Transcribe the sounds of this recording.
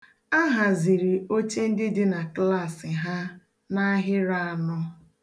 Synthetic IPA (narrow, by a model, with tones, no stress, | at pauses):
a˦ɦa˨zi˨ɾi˨o˦t͡ʃe˦n̩˦dɪ˦dɪ˦na˨kla˦˨sɪ˨ɦa˦ | na˦ɦɪ˦ɾa˦˨a˨nɔ˦